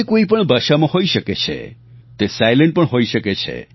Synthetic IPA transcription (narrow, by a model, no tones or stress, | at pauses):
ekoipəɳbaʃamãɦoiʃəket͡ʃʰḛ | t̪esajlə̃ɳʈ̚pəɳɦoiʃəket͡ʃʰḛ